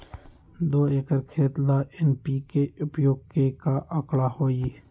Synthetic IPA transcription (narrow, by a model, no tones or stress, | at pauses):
d̪oːeːkəɾkʰeːt̪laːʔenpiːkeʊpjoːɡ̚kekaːʔəkɽaːhoːiː